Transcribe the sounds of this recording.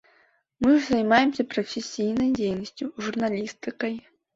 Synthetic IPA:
mɨʐzɐjmajɛmsʲɐpɾɐfʲesʲijnɐjd͡zʲejnɐsʲt͡sʲjuʐurnalʲist̪ɨkɐj

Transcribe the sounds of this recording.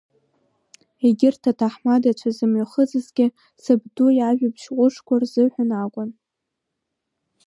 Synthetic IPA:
eɡʲɪrtʰatʰaħmadat͡ʃʷʰazɨmɥaχəd͡zɨzɡʲɪ | sɨbdujaʒᶣabʰʃqʷʼʊʂkʷarzɨħʷᶣanakʷʼʊn

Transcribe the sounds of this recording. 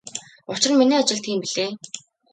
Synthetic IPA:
ʊt͡ɕɪ̆miniːat͡ɕɪ̆ɮt̪ʰiːmpiɮeː

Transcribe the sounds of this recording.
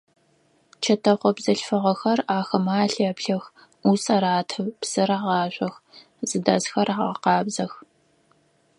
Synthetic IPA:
t͡ʃʰɐtʰɐqʷɔbzɐɬfɐʁɐxɐraːxɐmaːɬɐpɬɐx | usɐɾaːtʰɐpsɨɾɐʁɑːɕʷʼɐx | zɨdɐzxɐraʁɐqɑːbzɐx

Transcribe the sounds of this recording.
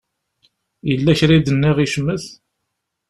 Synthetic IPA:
jəlːæçɾid̪ənːiʁiʃmːəθ

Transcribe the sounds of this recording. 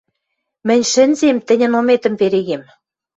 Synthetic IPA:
mɘ̆nʲʃɘ̆nzemt̪ɘ̆nʲɘ̆nomet̪ə̆mpeɾeɣem

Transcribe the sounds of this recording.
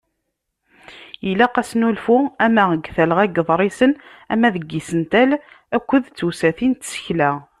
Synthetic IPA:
jəlæqæsnulfʊæmæʁəɡθæləʁæɡəðˤɾˤisənæ̰mːæðəɡːisənt̪æl | ækʷːəðt͡sːusæθint̪sə̥çlæ

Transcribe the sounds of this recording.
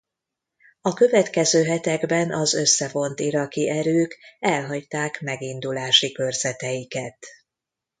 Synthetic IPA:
ɒkø̞vɛt̪kɛzøːɦɛt̪ɛɡbɛnɒzø̞sːɛvo̞nt̪iɾɒkiʔɛɾøːkɛlɦɒct̪aːkmɛɡind̪ulaːʃikørz̥ɛt̪ɛjikɛt̪

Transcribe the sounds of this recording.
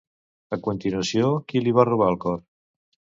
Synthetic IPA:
əkunt̪inuəsjokiliβ̞aruβ̞alˠkɔɾ

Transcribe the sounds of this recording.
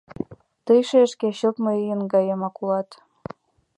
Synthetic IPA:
t̪əjʃeəʃkeɕop̪mɤijənɡɑjemɑkulɑt̪

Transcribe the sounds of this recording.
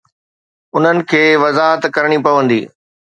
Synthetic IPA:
ʊn̤ənɪ̆kʰeːʋɐzaːɦət̪kɐɾɽ̃ipɐʋə̃nd̪ḭː

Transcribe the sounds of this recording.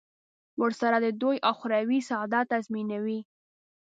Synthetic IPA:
wəɾsaɾad̪əd̪ojʔawxʊɾawisɑd̪ɑt̪ːazminawi

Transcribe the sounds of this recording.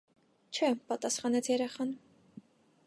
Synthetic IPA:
t͡ʃʰɛpɑt̪ɑsχɑnɛt͡sʰjɛɾɛχɑn

